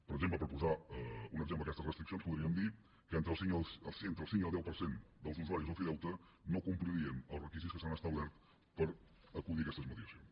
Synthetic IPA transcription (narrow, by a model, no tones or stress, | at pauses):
pəɾəɡzempləpəɾpuzaunəɡzempləəkɛst̪əzrəst̪ɾiksionspuðɾiəmd̪i | kəent̪ɾəlˠsiŋsəlˠsnt̪ɾəlˠsiŋiəlˠd̪ɛwpəɾsend̪əlˠzuzuaɾizəlˠfiðɛwt̪ə | nokumpliɾiənəlˠzrəkizit̪skəsanəst̪əβlɛɾt̪ | pəɾ | əkuðiəkɛst̪əzməðiəsijons